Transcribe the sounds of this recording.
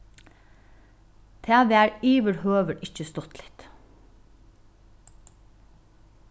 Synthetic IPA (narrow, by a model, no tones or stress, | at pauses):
t̪ʰeːɑʋeːæːɹyːʋəɾhøːʋəʈɪc͡çəst̪ɔt̪lɪ̥t̪